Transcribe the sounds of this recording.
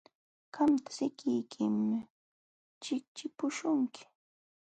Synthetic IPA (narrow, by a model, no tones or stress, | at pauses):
ɢamt̪ḁsɪkɪjkʰɪmɪ | t͡ʃɪk̚t͡ʃɪpʊʃʊŋkʰɪ̥